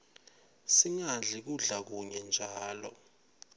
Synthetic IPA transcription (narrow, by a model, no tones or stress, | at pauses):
siŋaɮik̬uɮak̬uɲɛnd͡ʒʱaːlɔ̰